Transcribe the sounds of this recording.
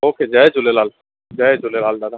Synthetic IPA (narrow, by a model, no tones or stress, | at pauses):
oːked͡ʒaːed͡ʒʊlelaːl | d͡ʒaed͡ʒʊlelaːld̪ad̪a